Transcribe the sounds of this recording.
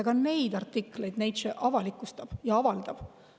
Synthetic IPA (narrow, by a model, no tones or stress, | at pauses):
eɡ̥ɑne̞jd̪ɑrt̪ːikle̞jd̪ne̞jd̪seʔɑvɑlikːˑust̪ɑb̥jɑɑvɑld̪̥ɑb̥